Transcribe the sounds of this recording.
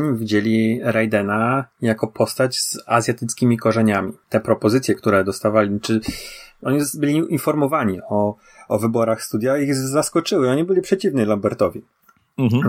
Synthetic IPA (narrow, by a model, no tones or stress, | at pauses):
ɲimvʲid͡ʑelʲiɾajd̪ɛnajakɔpʰɔst̪ad͡ʑz̥azʲjat̪ɘt̪skʲimʲikɔʐɛɲamʲit̪ɛpɾɔpɔzɘt̪sʲjɛk̚t̪uɾɛd̪ɔst̪avalʲit͡ʂɘɔɲibɘlʲiʔinfɔɾmɔvaɲiɔː | vɘbɔɾaxst̪ud̪ʲjaiɣzaskɔt͡ʂɘwɘɔɲibɘlʲipʂɛt͡ɕivnilambɛɾt̪ɔvʲi